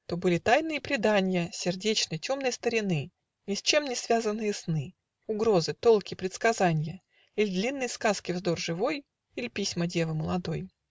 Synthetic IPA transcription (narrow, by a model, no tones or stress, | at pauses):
t̪o̞bɨlʲɪt̪ajnɨjəpɾʲɪd̪anʲɪjəsʲɪrdʲet͡ɕnəjtʲo̞mnəjst̪əɾʲɪnɨ | nʲɪsʲt͡ɕe̞mnʲɪsvʲazənːɨjəsnɨ | ʊɡɾo̞zɨt̪o̞lˠkʲɪpɾʲɪt̪skɐzanʲɪjə | ilʲɪd̪lʲinːəjskaskʲɪvzd̪o̞rʐɨvo̞j | ilʲɪpʲisʲmədʲe̞vəməlˠɐd̪o̞j